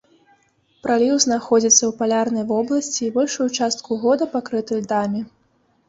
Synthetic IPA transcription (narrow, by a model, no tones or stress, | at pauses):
pɾalʲiwznaxɔd͡zʲit̪sːɐwpalʲarnɐjvɔblˠɐsʲt͡sʲiːbɔlʲʂujut͡ʂast̪̚kuɣɔd̪ɐpakɾɨt̪ɨlʲd̪amʲi